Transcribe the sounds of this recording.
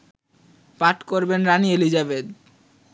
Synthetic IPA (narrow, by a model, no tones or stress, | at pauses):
paʈkoɾbenɾanielid͡ʑabed̪